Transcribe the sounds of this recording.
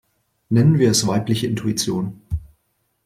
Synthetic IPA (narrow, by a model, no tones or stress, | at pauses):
nɛnənviːɐɛsv̥aɪplɪçəɪntʰuit͡sjoːn